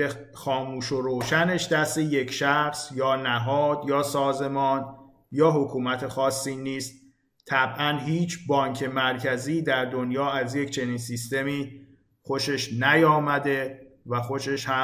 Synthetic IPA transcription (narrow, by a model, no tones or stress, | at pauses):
e | xɒːmuːʃoɾoːʃæne̞ʃd̪æst̪eje̞cʰʃæxsjɒːnæɦɒːd̪jɒːsɒːze̞mɒːn | jɒːɦokʰuːmæt̪ʰexɒːsːiːniːst̪ | t̪ʰæbʔænɦiːt͡ʃʰbɒːŋcʰe̞mæɾcʰæziːd̪æɾd̪o̞njɒːæzje̞cʰt͡ʃʰe̞niːnsist̪e̞miː | xo̞ʃe̞ʃnæjɒːmæd̪e̞væxo̞ʃe̞ʃhæ